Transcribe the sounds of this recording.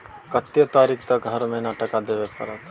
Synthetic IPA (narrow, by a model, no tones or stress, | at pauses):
kɐt̪jət̪aːɾiːkʰt̪ɐɡɡʱɐɾmenaʈɐkad̪eʋepɐ̰ɾət̪